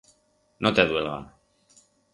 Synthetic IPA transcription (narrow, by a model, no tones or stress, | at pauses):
not̪eðuelɣa̰n